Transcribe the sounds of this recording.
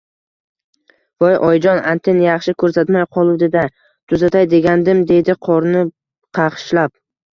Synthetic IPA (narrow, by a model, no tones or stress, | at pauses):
vɒjʔɒjd͡ʒɒnant̪ʰenjɑχʃɪkʰɵɾsat̪majqʰɒlˠud̪ed̪a | t̪ʰʊzat̪ʰajd̪e̞ɡʲand̪ɪmd̪e̞d̪ɪqʰɒɾnɪ | qʰɑqɨ̥ʃlap̚